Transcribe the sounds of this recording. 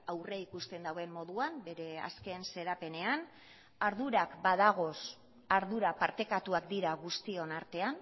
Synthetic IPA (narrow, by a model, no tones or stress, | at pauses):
awreikust̪e̞nd̪awe̞mːo̞ðuambe̞ɾe̞a̰ske̞nse̞ɾape̞ne̞an | aɾðuɾakbaðaɣ̞o̞s | aɾðuɾapaɾt̪e̞kat̪uakd̪iɾaɣust̪io̞naɾt̪e̞an